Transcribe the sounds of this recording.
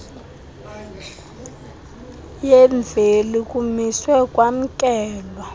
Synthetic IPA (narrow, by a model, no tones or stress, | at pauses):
jɛɱvʱelikʼumiswɛkʼwam̩kʼɛːlɔ